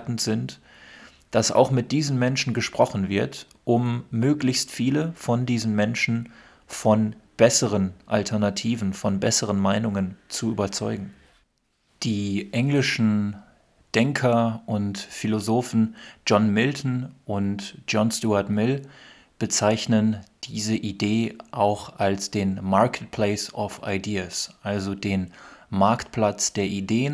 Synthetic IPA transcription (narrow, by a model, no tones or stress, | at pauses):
tn̩tz̥ɪnt | d̥asa̰ʊxmɪt̚d̥iːzən̩mɛnʃn̩ɡəʃpʁ̥ɔχn̩vɪɐt | ʔʊmːøːklɪçstfiːləfɔndiːzn̩mɛnʃn̩ | fɔnb̥ɛsəʁənʔa̰ltʰɛɐnatʰiːvn̩fɔnbɛsəʁənmaɪnʊŋənt͡suyːbɐt͡sɔʏɡŋ̩ | d̥iːʔɛŋlɪʃn̩ | d̥ɛŋkʰɐʔʊntfilozoːfn̩d͡ʒɔnmɪltn̩ʔʊntd͡ʒ̥ɔnstuaɐtmɪl | b̥ət͡saɪçnənd̥iːzəʔideːʔaʊxʔalsd̥eːnmaɐkət̚pʰl̥eɪsɔfa̰ɪdiːasʔalzodeːnmaɐktpʰl̥at͡sd̥eːɐʔideːən